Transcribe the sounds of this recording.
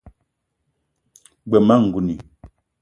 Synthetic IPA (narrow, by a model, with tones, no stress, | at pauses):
ɡ͡bɛ˨ma˦˨ŋ̩˨ɡu˨ni˨